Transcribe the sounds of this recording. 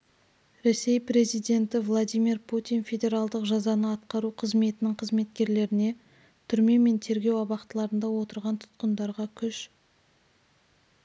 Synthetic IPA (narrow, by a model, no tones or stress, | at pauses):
ɾe̞se̞jpɾe̞zijd̪ʲe̞nt̪ɪvlˠad̪ʲijmirpʰut̪ijnfʲe̞d̪ʲe̞ɾɑlˠd̪əqʒɑzɑnəɑt̪qɑɾuqʰəzme̞t̪ɪnɪɴqʰəzme̞t̪̚kʲe̞ɾle̞ɾɪne̞ | t̪ʰʏɾme̞me̞nt̪ʰe̞ɾɡʲe̞wɑbɑqt̪əlˠɑɾənd̪ɑwo̞t̪əɾʁɑnt̪ʰʊ̥t̪qənd̪ɑɾʁɑkʲʰʏʃ